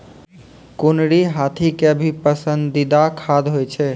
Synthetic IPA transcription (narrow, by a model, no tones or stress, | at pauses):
kunɽiɦat̪ʰikeəbʱipəsənd̪id̪akʰad̪ɦojt͡ʃʰɛ